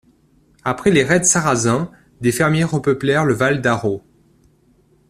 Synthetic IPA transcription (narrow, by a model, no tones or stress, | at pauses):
apχɛleʁɛd̪saʁazɛ̃ | d̪efɛʁmjɛʁəpəplɛʁləvald̪aʁo